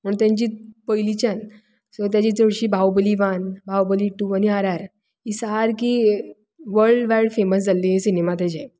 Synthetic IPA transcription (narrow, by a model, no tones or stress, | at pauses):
məɳt̪jãɲt͡ɕiːpəjlit͡ɕan | sɔt̪jat͡ɕiːt͡səɽɕiːbʱawbəliʋanbʱawbəliʈuaniaɾaɾ | isaɦaɾkiː | ʋəɾɖʋajɽfeməs̬d͡zalːiɦesinemat̪ɛd͡ʑaj